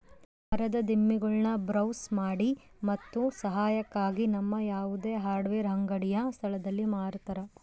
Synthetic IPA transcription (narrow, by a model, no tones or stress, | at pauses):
ɐɾɐd̪ɐd̪imːiɡɐɭnɐbɾɐwsmaːɽi | mɐt̪ːusɐɦaːjɐkːaːɡinɐmːɐjaːʋud̪e̞ːɦaːɾɖʋeːɾɦɐŋɡɐɽijɐst̪ʰɐlɐd̪ɐlːimaːɾt̪ɐɾɐ